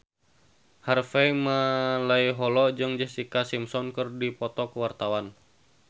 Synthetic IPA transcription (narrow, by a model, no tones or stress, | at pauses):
harfɛmalaiɦɔlɔd͡ʒɨŋd͡ʒəst̪ikasimsɔnkɨrdipɔt̪ɔkəwart̪awan